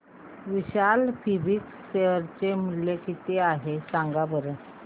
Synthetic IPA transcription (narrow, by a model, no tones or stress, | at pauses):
ʋiɕalpʰibik | ɕeɾt͡ɕemuɽlekit̪eaɦesãŋɡabəɾə